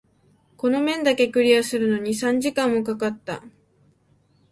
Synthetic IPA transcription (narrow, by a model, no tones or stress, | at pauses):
ko̞no̞mẽ̞nd̪ake̞kɯ̟ɾʲiasɨɾɯ̟no̞ɲ̟isãɲ̟d͡ʑikãmːo̞kakat̪ːa̰